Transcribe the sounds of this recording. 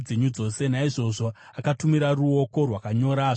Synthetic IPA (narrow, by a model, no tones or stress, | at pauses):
d͡zeɲud͡zo̞se̞naiʐo̞ʐo̞ | akatumiɾaruo̞ko̞rwakaɲo̞ɾaːʐ